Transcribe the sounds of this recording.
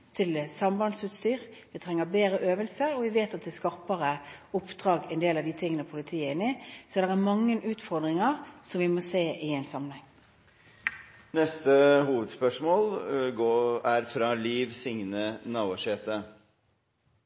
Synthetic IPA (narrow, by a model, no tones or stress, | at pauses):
t̪ʰɪlsɑmbɑnsʉːt̪st̪yːʁ | ʋɪt̪ʰʁɛŋːəbeːɾəʔøːʋəlsəɾɔʋɪʋeːt̪ɑt̪̚d̪ɛːskɑʁpəʁəʊpd̪̥ʁɑːɡɛɪnd̪eːlɑʋd̪iːt̪ʰɪŋːənəpʰʊlɪt̪ʰiːəɪnɪsɔd̪ɛʁæmɑŋːənʉːt̪fɔʁd̪ʁɪŋəʁsɔmʋɪmɔseːʔɪɛɪnsɑmːənhɛŋː | nɛst̪əhuːʋəd̪spœʂmoːlɡoːæɾfɾɑːliːʋsɪŋnənɑːʋɑʂeːt̪ə